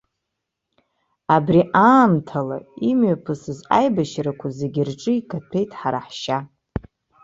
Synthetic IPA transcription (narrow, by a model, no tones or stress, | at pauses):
abriʔaːmtʰala̰imɥapʰɨsɨza̰jbaʃɾakʷʰazeɡʲɪrʈ͡ʂʼɨikʰʼatʰe̞jtʼħaɾaħʃa